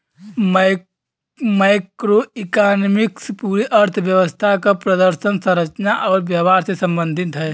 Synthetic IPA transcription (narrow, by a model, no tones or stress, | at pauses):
maːɪkɾoɪkaːnmɪkspuːɾiʔəɾt̪ʰəʋjəʋəst̪ʰakapɾəd̪əɾʃənsə̃ɾət͡ʃnaʔɔːɾʋjəʋaːɾsesə̃mbə̃nd̪ʱɪt̪ɦɛː